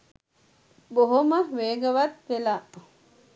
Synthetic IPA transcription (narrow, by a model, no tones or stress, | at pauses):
boɦumɐʋeːɡɐʋɐt̪ʋelaʔ